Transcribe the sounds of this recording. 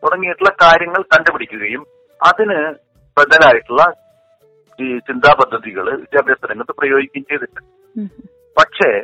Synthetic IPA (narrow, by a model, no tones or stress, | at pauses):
t̪uɽɐŋːijiʈːuɭːɐkaːɾjɐŋːɐɭkɐɳɖɨpiɽikʲːuɣɐjum | ɐðinɨ | beðɐlaːjiʈːuɭːɐ | t͡ɕind̪ʱaːpɐd̪ʱːɐðiɣɐɭɨid͡ʑɐbʱjɐst̪ʰːɐɾɐŋːɐɭt̪ːɨprɐjo̞ːɡikʲːaːmt͡ɕejðiʈːɨ | pɐʈʂe̞ː